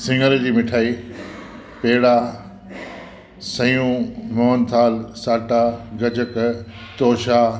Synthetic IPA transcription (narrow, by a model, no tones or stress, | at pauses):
sɪ̃ŋɡəld͡ʑiːmɪʈʰaːiː | peɦɪɽa | sɐ̃jũːmɔːnt̪ʰaːlsaːʈaɡɐd͡ʑək | t̪oːʃa